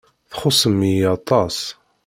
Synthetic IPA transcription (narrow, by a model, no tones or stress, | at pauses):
θχʊsˤəmijɑt̪ˤɑs